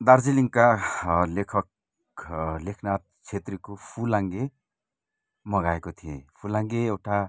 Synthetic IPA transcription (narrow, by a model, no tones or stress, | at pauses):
d̪ard͡ziliŋkalekʰʌk̚ | lekʰnat̪̚t͡sʰet̪rikopʰulaŋɡe | mʌɡaekot̪ʰijepʰulaŋɡeewʈa